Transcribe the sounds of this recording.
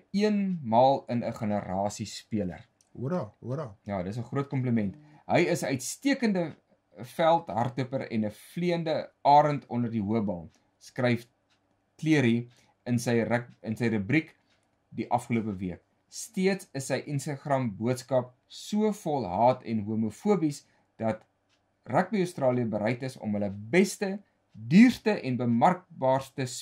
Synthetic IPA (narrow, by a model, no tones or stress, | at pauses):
iənmɑːlˠənəχənəɾɑːsispiələ̰r | jɑːdətəs̬əχrɾuət̚kɔmpləmɛnt | ɦəjəsəœɥtstiəkəndə | fælˠtɦɐrtəpəɾɛ̰nəfliəndəɑːɾəntʰɔndərdiɦuəbɑlˠ | skrɛjf | kliəɾi | ənsəj̚ənsəjɾəbrik | diʔɐfχəluəpəviək̚ | stiətsəsːəjʔənstɑχrɐmbuətskɐp̚ | suəfɔlˠɦɑːtʰɛnɦuəmufuəbis | d̥ɐt | ræk̚biəstrɑːliəbəɾɛjtəsɔ̰mɦələbɛstə | dyːrtəʔɛnbəmɐrk̚bɑːrstəs